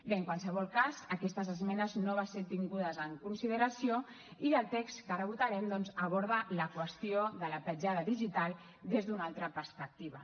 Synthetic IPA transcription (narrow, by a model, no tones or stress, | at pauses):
beəŋkwalˠsəβɔlˠkazəkɛst̪əzəzmɛnəznoβaseɾt̪iŋɡuðəzəŋkunsiðəɾəsio | iðəlˠt̪ekstkərəβut̪aɾɛmd̪ɔnzəβ̞ɔɾðələkwəst̪ioðələpəd͡ʒaðəðiʒit̪alˠ | d̪ezðunalˠt̪ɾəpəɾspək̚t̪iβə